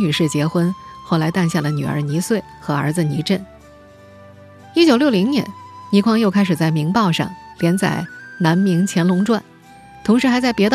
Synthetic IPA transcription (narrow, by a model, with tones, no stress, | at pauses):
ny˨˩ʂɻ̩˥˩t͡ɕjɛ˧˥xwə˥nxwo˥˩la˧˥ɪt̪a˥˧nɕja˥˩lə˩ny̰˨˩ə̰˞˧˥ni˧˥swe˥˩ɪxɤ˧˥ə̰˞˧˥d͡zɹ̩˧ni˧˥ʈ͡ʂə˥˩n | i˥t͡ɕjo˨˩ʊljo˥˩ʊli˧˥ŋnjɛ̰˧˥nni˧˥kʰwɑ˥ŋjo˥˧ʊkʰa˥ɪʂ̬ɻ̩˨˩t͡sa˥˩ɪmi˧˥ŋpɑ˥˧ʊʂɑ̰˥˧˩ŋljɛ˧˥nt͡sa̰˨˩ɪna˧˥nmi˧˥ŋt͡ɕʰjɛ˧˥nlʊ˧˥ŋʈ͡ʂwa˥˩n | t̪ʰʊ˧˥ŋʂɻ̩˧˥xa˧˥ɪt͡sa˥˩ɪpjɛ˧˥d̪